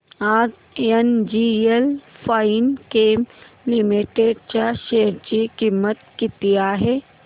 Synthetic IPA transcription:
aːɡ | nd͡ʑielfaːinkeːm | lɪmiʈeːɖt͡ɕaːʃeːjəɾd͡ʑiːkiːmət̪kɪt̪iaːɦeː

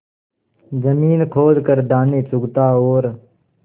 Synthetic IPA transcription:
d͡ʒəmiːnkʰoːzkəɾd̪aːneːt͡ʃʊɡt̪aːoːɾ

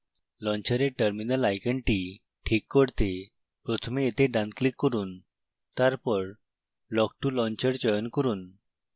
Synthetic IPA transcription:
lɔ̃ɲt͡ɕəɾeʈəɾminəlajkəɳʈi | ʈʰikːəɽt̪e | pɾɔt̪ʰəmiet̪eɖãnklikːəɾuːn | t̪aɾpəɽ | lɔk̚ʈulɔ̃ɲt͡ɕəɾd͡ʑɔjənkəɾuːn

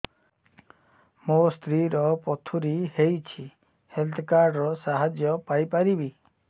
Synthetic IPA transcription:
most̪ʰɾiɾɔpɔt̪ʰuɾihejt͡ʃʰi | helt̪ʰkaɾɖɾɔsaɦad͡ʒjɔpajpaɾibi

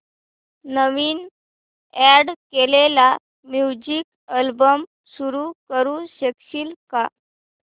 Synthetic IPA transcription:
nəʋiːn | ɛɽkelela | mjud͡ʑiːk | əlbəm | suɾukəɾũɕekɕiːlka

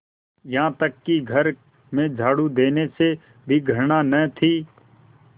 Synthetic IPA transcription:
jɐɦãt̪əkːiɡʱəɾ | mẽd͡ʒʱaːɽud̪eːnese | bʱiɡʱəɾnanət̪ʰiː

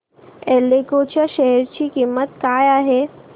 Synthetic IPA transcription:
elːekoːt͡ʃaʃɛɦɛɾt͡ɕikimːət̪̚kaːjaɦe

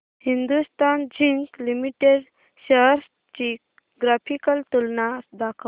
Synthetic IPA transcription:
hind̪ust̪and͡ʑiŋklimiʈeɖ | ɕəɦɾs | t͡ɕi | ɡɾapʰikəlt̪ulnasd̪akʰə

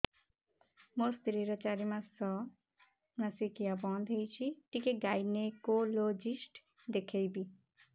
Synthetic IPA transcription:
most̪ɾiɾət͡ʃaɾimãsɔ | nasikijabɔ̃nd̪ʱejt͡ʃʰiʈikeɡajnekolod͡ʒisʈ | d̪ekʰejbi

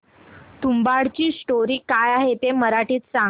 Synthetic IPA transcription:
t̪umbaɽt͡ɕiːsʈoɾiːkajaɦet̪eməɾaʈiːt̪sa

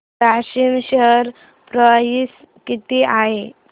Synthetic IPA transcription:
aɕimɕəɾ | pɾəʋaɦis | kit̪iaɦe

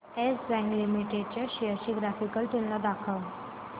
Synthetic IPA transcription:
esbæ̃ŋɡlimiʈeɖ̚t͡ɕaɕiəɕiːɡɾafikəlt̪unlad̪akʰəʋ

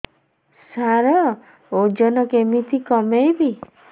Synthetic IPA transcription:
saɾɔ | od͡ʒɔnɔkemit̪ʰikɔmejbi

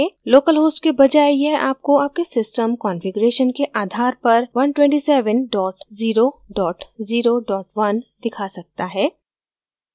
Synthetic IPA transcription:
eloːkəlɦoːsʈkebɐd͡ʒaːejɛɦʔaːp̚koaːp̚kesɪsʈəmkɔːnfɪɡʊɾeːʃənkeʔaːd̪ʱaːɾpɐɾʋɐnʈwɛ̃ɳʈisɛːʋənɖɔːʈziːɾoɖɔːʈziːɾoɖɔːʈʋɐnd̪ɪkʰasɐk̚t̪aɦɛː

